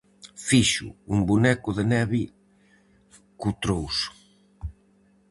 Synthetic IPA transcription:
fiʃʊ̰umbunɛkʊðenɛβi | kut̪ɾows

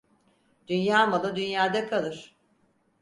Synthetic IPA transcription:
d̪̥ynjaːmalˠɯd̪ynjaːd̪akʰalˠɯɾ̥

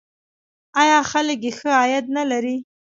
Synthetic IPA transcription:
ɑjɑxaləkjexəɑjat̪̚nalaɾi

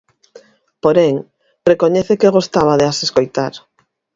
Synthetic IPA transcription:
poɾeŋ | rekoɲɛθekeɣost̪aβaðeaseskojt̪aɾ

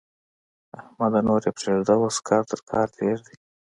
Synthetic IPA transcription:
ahmad̪anoɾepɾeʐd̪awoskʰɑːɾt̪əɾkʰɑːɾt̪ʰeɾd̪i

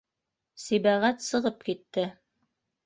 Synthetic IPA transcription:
sibæʁæt̪sɤ̆ʁɤp̚kit̪ːɘ

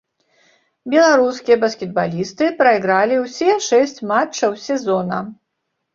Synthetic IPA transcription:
bʲɛlˠaɾuskʲijɐbɐskʲɛd̪̚balʲist̪ɨpɾɐiɣɾalʲiwsʲɛʂɛsʲt͡sʲmat͡ʂːɐwsʲɛzɔnɐ

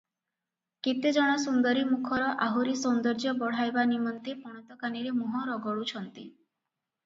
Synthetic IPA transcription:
kit̪ed͡ʒɔɽ̃ɔsund̪ɔɾimukʰɔɾɔʔaɦuɾisɔnd̪ɔɾd͡ʒjɔbɔɽ̤ajbanimɔnt̪epɔɽ̃ɔt̪ɔkaniɾemɔɦɔɾɔɡɔɭut͡ʃʰɔnt̪i

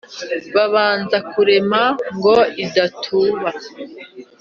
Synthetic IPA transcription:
βaβaːnzakuɾe̞maŋɡo̞idatʰuːβa

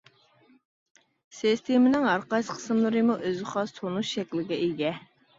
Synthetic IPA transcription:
sest̪ʰemɪnɪŋɑɾqɑjsqʰə̥sɨmlˠɨɾɨmuʔøzχɑst̪ʰonuʃʃɛkʲlɪɡʲɛiɡʲɛ

